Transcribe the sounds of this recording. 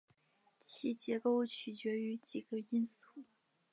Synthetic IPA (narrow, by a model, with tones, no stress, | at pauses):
t͡ɕʰi˧˥t͡ɕjɛ˧˥ko˥˧ʊt͡ɕʰy˨˩t͡ɕɥɛ˧˥y˧˥t͡ɕi˨˩ɡə˦i˥nsu˥˩